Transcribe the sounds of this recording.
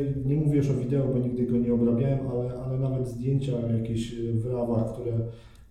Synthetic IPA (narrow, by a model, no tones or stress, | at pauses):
ɲɛmuvʲijɛʂɔvʲid̪ɛɔbɔɲiɡ̚d̪ɘɡɔɲɛɔbɾabʲjawɛmalɛʔalɛnavɛd̪zd̪ʲjeɲt͡ɕajakʲeɕvɾavaxkt̪uɾɛ